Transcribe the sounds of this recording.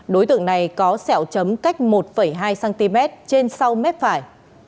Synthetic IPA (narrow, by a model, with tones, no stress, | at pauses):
ɗo˨˦jt̪ɨ̰˧˨əŋna˨˩jkɔ˨˦sɛ˧˩wt͡ɕə˨˦mka˦˥jk̟̚mo˨˩t̚fə˧˩jɦaː˧jsaː˧nt̪i˧mɛ˦˥t̚t͡ɕe˧nsa˧wmɛ˦˥t̚faː˧˩j